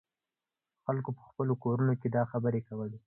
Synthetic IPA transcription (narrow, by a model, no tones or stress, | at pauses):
xalkopə̥xpəlokoɾunoked̪ɑxabəɾekawəle